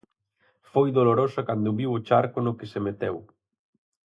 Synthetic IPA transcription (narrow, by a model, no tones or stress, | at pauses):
fojðoloɾosɐkand̪ʊβiwot͡ʃaɾkʊnʊkɪsemet̪ɛw